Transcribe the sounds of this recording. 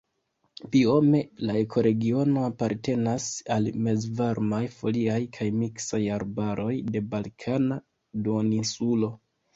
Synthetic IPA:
pio̞me̞lae̞kʰo̞ɾe̞ɡio̞no̞apaɾte̞nasalme̞zvaɾmajfo̞liajkʰajmiksajaɾbaɾʔo̞jde̞balkʰana | duoninsulo̞

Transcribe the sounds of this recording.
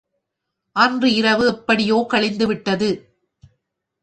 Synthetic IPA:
ʔɐndrɯɪɾɐʋɯɛpːɐɽɪjoːkɐɭɪnd̪ɯʋɪʈːɐðɯ

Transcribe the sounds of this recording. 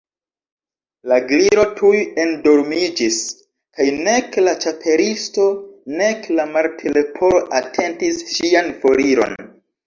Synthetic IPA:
laɡliɾo̞tʰuje̞ndo̞ɾmid͡ʒis | kajne̞klat͡ʃapʰe̞ɾisto̞ne̞klamaɾtʰele̞pʰo̞ɾoʔatʰe̞ntisʃianfo̞ɾiɾo̞̰n

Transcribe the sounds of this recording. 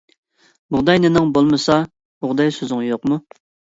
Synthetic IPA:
bʊʁd̪ɑjnɪnɪŋbolˠmɨsɑ | bʊʁd̪ɑjsøzɪŋjoqmu

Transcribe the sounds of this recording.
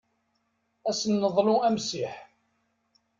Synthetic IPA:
æsənːəðˤluæmsiħ

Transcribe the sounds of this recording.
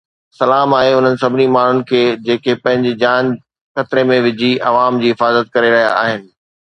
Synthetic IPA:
sɐlaːmaːɦeʊn̤ənɪ̆sɐbʱɪnimaːɳ̤ʊnɪ̆kʰeːd͡ʑeːkʰepɐ̃ɦɪ̃ɲd͡ʑid͡ʑaːn | xɐt̪ɪɾemẽʋɪd͡ʑʱiʔɐʋaːmd͡ʑiːɦɪfaːzət̪̚kɐɾeɾɐɦija̰a̰ːɦɪnɪ̆

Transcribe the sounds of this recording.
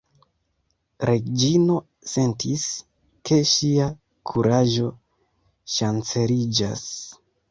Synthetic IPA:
ɾʔe̞d͡ʒino̞ | se̞ntʰis | ke̞ʃia | kʰuɾaʒo̞ | ʃant͡se̞ɾid͡ʒa̰s

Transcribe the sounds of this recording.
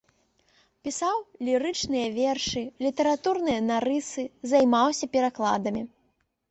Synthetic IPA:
pʲisawlʲiɾɨt͡ʂnɨjɐvʲɛrʂɨlʲit̪ɐɾat̪urnɨjɐnaɾɨsɨzajmawsʲɐpʲɛɾaklˠa̰d̪ɐmʲi

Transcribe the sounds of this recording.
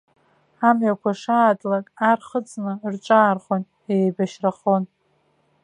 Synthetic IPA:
amɥakʷaʂaːdʼlakʼarχət͡sʼnɨrt͡ʃʼaːrχon | ejbaʃraχon

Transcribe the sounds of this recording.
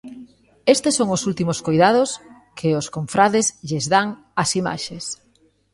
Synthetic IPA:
est̪esːoŋosult̪imoskojðað̞os | kʰɪoskoɱfɾaðezʎezðaŋ | asima̰ʃes

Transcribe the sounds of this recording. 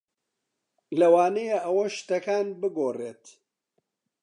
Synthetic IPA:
lɐwaːnɐjeʔɐwɐʃt̪ɐkaːnbɨɡoːreːt̪

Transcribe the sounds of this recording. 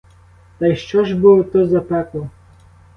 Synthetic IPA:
t̪ɐjʃt͡ʃɔʒbulˠɔt̪ɔzɐpɛklˠɔ

